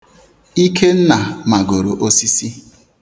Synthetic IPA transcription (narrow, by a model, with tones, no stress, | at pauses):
i˦kʰe˦n̩˦na˨ma˨ɡo˨ɾo̰˨ʔo˦si˦si˦